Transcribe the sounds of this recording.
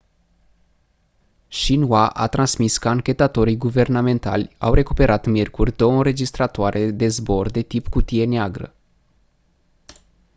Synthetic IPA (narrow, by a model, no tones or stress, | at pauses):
ʃinwaʔa̰t̪ɾʔansmiskəaŋkʲe̞t̪at̪o̞ɾijɡuve̞rname̞nt̪a̰lʲa̰wre̞kupe̞ɾʔat̪mʲjerkurʲd̪o̞əɨnɾe̞d͡ʒist̪ɾat̪oaɾʔe̞d̪e̞zbo̞rd̪e̞t̪ipkut̪ije̞neaɡɾə̰